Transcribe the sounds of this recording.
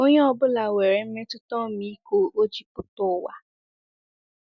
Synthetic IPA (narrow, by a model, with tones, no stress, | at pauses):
o˦ɲe˦ɔ˨bʊ˦la˨we˨ɾe˨m̩˦me˦tʊ˦tɔ˦˨mi˦ko˦o˦d͡ʒi˨pʊ˦tʊ˦wa̰˦